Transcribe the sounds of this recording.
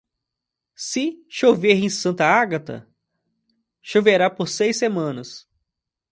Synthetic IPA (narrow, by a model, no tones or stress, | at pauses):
sɪʃoveɾẽsɐ̃nt̪ɐaɡat̪ɐ̰ | ʃoveɾapoɾsejsemɐ̃nɐs